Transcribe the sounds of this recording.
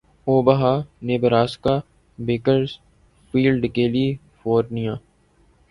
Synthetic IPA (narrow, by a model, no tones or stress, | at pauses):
oːbɐɦaːneːbəɾaːskaː | beːkəɾz | fiːlɖkeːliː | foːɾnijãː